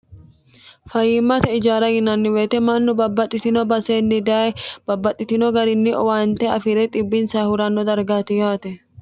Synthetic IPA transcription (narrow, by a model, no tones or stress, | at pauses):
fɐjɪmːɐt̪ɐɪd͡ʒaːɾɐɡɪnːɐnːɪweːt̪ɛmɐnːʊbɐbːɐt̪ʼːɪt̪ɪnɔbɐseːnːɪd̪aːɛb̥ɐbːɐt̪ʼːɪt̪ɪnɔɡɐɾɪnːɪʔɔwaːnt̪ɛɐ̰fɪɾɛt̪ʼɪbːɪnsaːhʊɾɐnːɔd̪ɐɾɡaːt̪ɪjaːt̪ɛ